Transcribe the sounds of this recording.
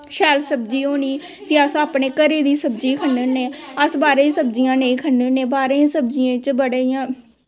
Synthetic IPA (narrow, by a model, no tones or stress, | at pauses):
ʃɛːlsəbd͡ʒiːɦoːniː | pʰiəsaːpɳeːkəɾeːd̪iːsəbd͡ʒiːkʰənənẽːəsbaːɾeːsəbd͡ʒijãːneĩːkʰənːenẽːbaːɾesəbd͡ʒɪjãːt͡ʃbəɽeːijãː